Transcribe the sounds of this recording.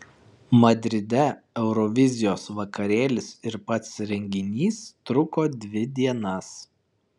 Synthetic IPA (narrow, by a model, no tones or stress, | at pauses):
mɐd̪ʲɾʲɪd̪ʲɛ | ɛʊɾɔʋʲɪzʲɪjoːsʋɐkɐɾʲeːlʲɪsɪɾpɐt̪sɾʲɛŋʲɡʲɪnʲiːst̪ɾʊkoːd̪ʲʋʲɪd̪ʲiɛnɐs